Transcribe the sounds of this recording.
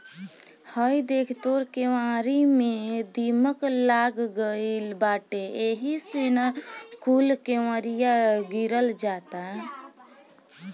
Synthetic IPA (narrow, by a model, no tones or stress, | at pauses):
həjd̪ekʰt̪oɾkeʋãɾimed̪iməklaɡɡəilbaːʈeeɦisenakulkeʋaɾijaɡiɾəld͡ʒat̪a